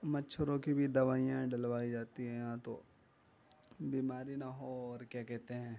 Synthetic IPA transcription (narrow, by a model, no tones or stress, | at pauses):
mɐtːʃʰʊɾõkibʱid̪ɐʋaːijãɖɐlʋaːid͡ʒaːt̪iɦɛ̃jɐɦãt̪o̰ | biːmaːɾinaɦoɔːɾkjaːkɛɦt̪eɦɛ̃ː